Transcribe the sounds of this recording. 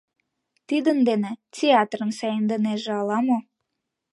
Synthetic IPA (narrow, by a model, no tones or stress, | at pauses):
t̪id̪ənd̪enet͡sʲeɑt̪rə̆nsæjənd̪əneʒeɑlɑmo